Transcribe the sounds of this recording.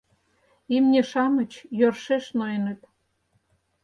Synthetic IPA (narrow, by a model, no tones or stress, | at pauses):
imnʲeʃɑmə̆t͡ɕjorʃeʃnojnə̆t̪